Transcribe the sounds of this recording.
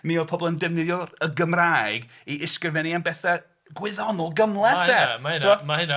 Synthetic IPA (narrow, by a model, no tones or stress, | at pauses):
miɔpʰɔbɔlˠəndɛvnɪðjɔəɡəmrajɡ | iʔɪskrəvɛnianbɛθa | ɡwɪðɔnɔlˠɡəmlˠɛdɛmaɪnamahɪn